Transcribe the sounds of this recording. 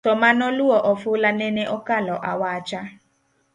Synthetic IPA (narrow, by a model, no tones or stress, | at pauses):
ɔmanɔluɔʔɔfʊlanɛneʔɔkalɔʔawaːt͡ʃa